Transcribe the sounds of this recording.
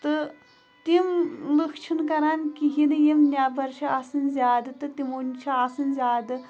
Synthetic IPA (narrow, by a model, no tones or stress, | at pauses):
t̪ɨ | t̪imlɨkʰt͡ʃʰinkɐɾaːnkiɦinɨjimnʲaːbɐɾʃʰiaːsɨnzʲaːd̪ɨt̪ɨt̪imunʲt͡ʃʰiaːsɨnzʲaːd̪ɨ